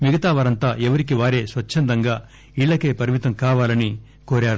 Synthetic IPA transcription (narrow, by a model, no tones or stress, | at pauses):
miɡɐt̪aːʋɐɾɐnt̪aːʔɛʋɐɾik̬iʋaːɾe̞ːsʋɐt͡ʃːɐnd̪ɐŋɡaː | iːɭːɐkeːpɐɾimit̪ɐmkaːʋaːlɐni | koːɾaːɽu